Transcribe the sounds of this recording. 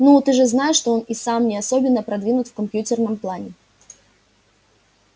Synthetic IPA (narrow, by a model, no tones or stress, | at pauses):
nut̪ɨʐɨznajɪʂːt̪oonisamnʲɪasobʲɪnːəpɾɐd̪vʲinʊt̪fkɐmpʲjutʲɪrnɨmplˠanʲɪ